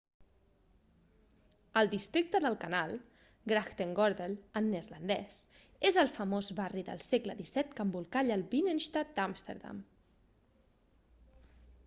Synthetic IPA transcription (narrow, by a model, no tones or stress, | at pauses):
əlˠd̪ist̪ɾik̚t̪əðəlˠkənalˠ | ɡɾaxt̪eŋɡɔɾðelənːeɾlənd̪ɛs | ezəlˠfəmozβariðə̰lˠsɛkləðisɛt̪kəmbulˠkaʎəlˠbinenʃt̪at̪̚d̪amst̪ḛɾða̰m